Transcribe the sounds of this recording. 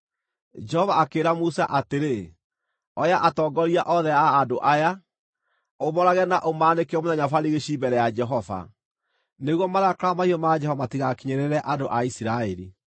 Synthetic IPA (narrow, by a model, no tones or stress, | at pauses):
d͡ʒɛhɔvaːkeːɾamusaʔateɾe | ɔjaʔatɔːɡɔɾiaʔɔðɛaːdoʔaja | omɔɾaɣɛnaʔomaːnekeɔmonaɲafaɾiɣeɕibɛɾɛjad͡ʒɛɦɔva̰ | neɣwɔmaɾaakɾamaiɔmad͡ʒɛhɔvatiɣakiɲeɾeɾɛʔadoʔaisiɾaeɾḭ